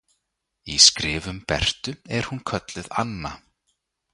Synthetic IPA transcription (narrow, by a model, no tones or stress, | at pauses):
iskɾɪːvʏmpɛr̥t̪ʏɛɾ̥hunkʰœt̪lɪða̰nːa